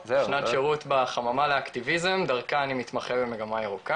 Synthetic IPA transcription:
zʃnatʃeʁut̪baχamamaleakt̪ivizemd̪aʁkaːnimit̪maχebemeɡamaeʁuka

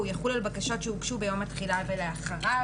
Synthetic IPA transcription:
ujaχulalbakaʃo̞tʃeukʃube̞jomatχilaveleaχaa

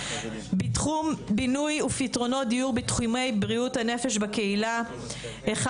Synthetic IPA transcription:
binujufitʁo̞no̞dijuʁbitχume̞jbʁiuthane̞fe̞ʃbake̞ila | eχ

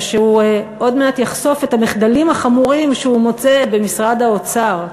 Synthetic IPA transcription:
ʃeuo̞dmeatjaχso̞fetamiχdalimaχamuʁimʃeumo̞t͡sebe̞misʁad̪aot͡saʁ

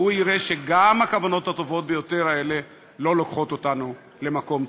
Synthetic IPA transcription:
uiʁeʃe̞ɡamakavano̞that̪o̞vo̞t̪̚be̞jo̞te̞ʁae̞le̞ | lo̞lo̞kχo̞t̪otanu | le̞mako̞m

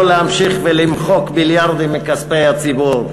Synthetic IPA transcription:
lehamʃiχvɛlimχokbiljaɾd̪imːikaspejat͡sibuɾ

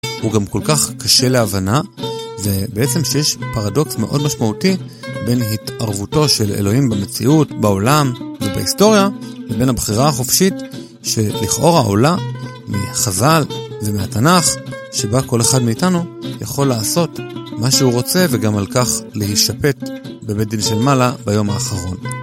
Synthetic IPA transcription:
huɡamko̞lkaχkaʃe̞le̞avanave̞beet͡se̞mʃejeʃpaʁado̞ksme̞̰ʔo̞dmaʃmauti | be̞nɦitʔaʁvuto̞ʃelḛlo̞himbemet͡siʔutbao̞lamveba̰isto̞ʁjavebe̞nabχiʁaːχo̞fʃit | ʃe̞liχʔo̞ʁhaʔo̞̰la | mḭχazalvemeatanaχʃe̞bako̞le̞χadmeːtanujaχo̞lːaːso̞tmaʃeuʁo̞t͡se̞veɡamalkaχle̞hiʃape̞tbebedinʃelmalabajo̞maːχaʁo̞n

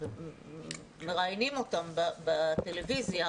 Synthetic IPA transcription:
meʁajnimo̞t̪ambabat̪e̞levizja

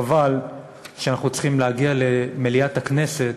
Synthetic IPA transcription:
aval | ʃeanaχnut͡sχimleaɡiale̞meliatakne̞se̞t

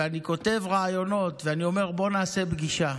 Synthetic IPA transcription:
aniko̞t̪e̞vʁaːjo̞no̞t̪veanio̞me̞ʁbo̞naːse̞bɡiʃa

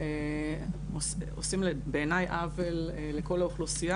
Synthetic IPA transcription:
e | ososimlebeeːnajʔaveleːe̞ko̞lauχlusija

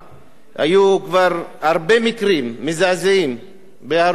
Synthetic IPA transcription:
ha̰jukvaʁhaɾbemikɾimːezazeim | bea

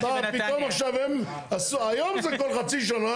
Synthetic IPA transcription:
dapit̪omaχʃavem | asuajomzɛkolχat͡siʃ̬ana

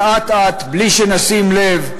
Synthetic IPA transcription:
at̪at̪bliʃenɐsimlev

